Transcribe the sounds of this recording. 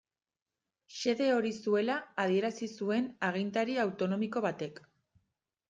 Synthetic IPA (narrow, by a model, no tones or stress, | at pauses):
se̞ðe̞o̞ɾisue̞laːð̞ie̞ɾasisue̞naɣ̞int̪aɾiawt̪o̞no̞miko̞β̞at̪e̞k